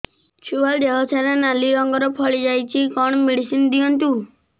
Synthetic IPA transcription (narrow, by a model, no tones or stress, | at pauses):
t͡ʃʰuald̪eɦɔsʰaɾenaliɾɔŋɡɔɾɔpʰɔɭid͡ʒajt͡ʃʰikɔɳ̃ɔmiɽisind̪iɔnt̪u